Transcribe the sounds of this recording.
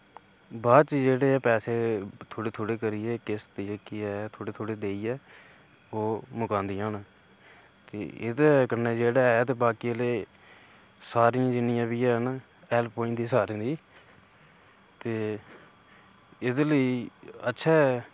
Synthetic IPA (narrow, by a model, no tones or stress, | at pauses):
baːt͡ʃiːd͡ʒeːɽeːɛːpɛːseːt̪ʰoːɽeːt̪ʰoːɽeːkəɾiːɛːkɪst̪ikɪɛːt̪ʰoːɽeːt̪ʰoːɽeːd̪eːiːɛː | oːmʊkãːnd̪iːɦaːn | t̪ḛːɪd̪kənːeːd͡ʒeːɽaːɛːt̪eːbaːkileː | saːɾijãːd͡ʒɪnɪjãːbiːɛːɦən | ɛːlpoːɪ̃ɳʈd̪iːsaːɾĩːd̪iː | t̪eː | ɪd̪ləiːətːʃʰaːɛ